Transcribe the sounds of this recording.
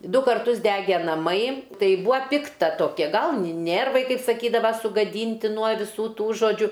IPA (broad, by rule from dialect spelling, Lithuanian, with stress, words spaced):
ˈdʊ kɐrˈtʊs ˈdʲæːɡʲɛ nɐˈmɐɪ ˈtɐɪ ˈbuːɐ ˈpʲɪktɐ toːˈkʲɛ ˈɡɐlˠ nʲɪ ˈnʲeːrʋɐɪ ˈkɐɪp sɐˈkʲiːdɐʋɐ sʊɡɐˈdʲiːnʲtʲɪ nuɔ ʋʲɪˈsuː ˈtuː ʒoːˈd͡ʒʲʊ